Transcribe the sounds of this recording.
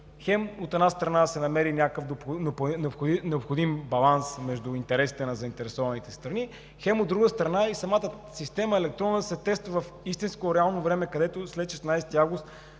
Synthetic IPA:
xɛmot̪ɛdnast̪ɾɐnasɛnɐmɛɾinʲakəfd̪opnpnɛopxonɛopxod̪imbɐlˠansmɛʒd̪ʊint̪ɛɾɛsi̥t̪ɛnɐzɐint̪ɛɾɛsɔvɐnit̪ɛst̪ɾɐni | xɛmod̪ːɾuɡəst̪ɾɐnaisɐmat̪ə | sist̪ɛməɛlɛk̚t̪ɾɔnːsɛt̪ɛst̪vəvɐf | ist̪inskoɾɛalˠnovɾɛmɛkɐd̪ɛt̪oslɛt̪ʃɛsnajsɛt̪iavɡʊst̪

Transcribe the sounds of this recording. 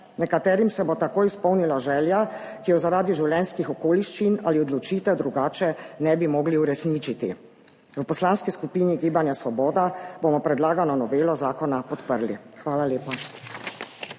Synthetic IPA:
nɛkat̪ɛːɾimsɛbot̪akoːjispɔwnilaʒɛːljakijɔzaɾaːd̪iʒiwljɛnskixɔkoːliʃt͡ʃinaliɔd̪lɔt͡ʃiːt̪ɛwd̪ɾuɡaːt͡ʃɛnɛbimɔːɡliuɾɛsniːt͡ʃit̪ḭ | ʋəpɔslaːnskiskupiniɡiːbanjasʋɔbɔːd̪abomɔpɾɛd̪laːɡanɔnɔʋeːlɔzaːkɔnapɔt̪pəɾlḭxʋaːlaleːpa

